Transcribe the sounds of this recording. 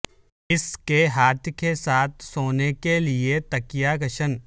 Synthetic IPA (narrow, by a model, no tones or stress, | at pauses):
ɪskeɦaːt̪ʰkesaːt̪̚ʰsoːnekeliet̪ɐkijaɡɐʃən